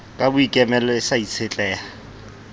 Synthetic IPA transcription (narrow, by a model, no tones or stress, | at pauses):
kʼabʊikʼɛmɛlɔɪsait͡sʰet͡ɬʼɛːa